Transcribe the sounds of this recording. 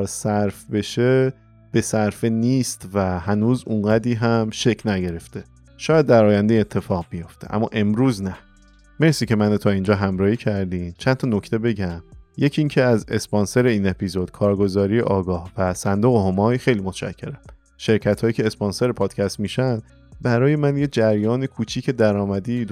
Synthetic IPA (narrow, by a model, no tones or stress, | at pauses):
ɾsæɾfbe̞ʃe | b̥e̞sæɾfeniːst̪væhænuːzuŋɢæd̪ɾiːɦæmʃe̞cʰnæɟe̞ɾe̞ft̪ʰe̞ | ʃɒːjæd̪̚ːæɾɒːjænd̪ejet̪ʰːe̞fɒːɣbijo̞ft̪ʰe̞̰ʔæ̰mːɒ̰ːʔe̞mɾuːznæ | me̞ɾsiːcʰe̞mænot̪ʰɒːind͡ʒɒːɦæmɾɒːhiːcʰæɾd̪iːmt͡ʃʰænt̪ʰɒno̞cʰt̪ʰe̞be̞ɟæmje̞cʰiːŋcʰeæze̞spɒnse̞ɾe̞iːne̞pʰizod̪̥kʰɒːɾɡo̞zɒːɾijḛʔɒːɡɒːhvæsænd̪oɣeɦo̞mɒːjxe̞jliːmot̪ʃæ̰cʰːe̞ɾæm | ʃe̞ɾcʰæt̪hɒːjiːcʰe̞ːsponse̞ɾepʰɒːd̪̥cʲʰæst̪miːʃæn | bæɾɒːje̞mænjed͡ʒæɾjɒːnekʰut͡ʃʰiːkʰe̞d̪æɾɒːmæd̪id̪